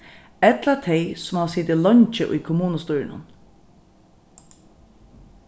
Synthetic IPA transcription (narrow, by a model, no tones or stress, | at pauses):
ɛt̪lat̪ʰɛɪsʊmhaʋsiːt̪ɪlɔɲt͡ʃəʔʊ̰jkʰʊmuːnəst̪uːɾɪnʊ̰n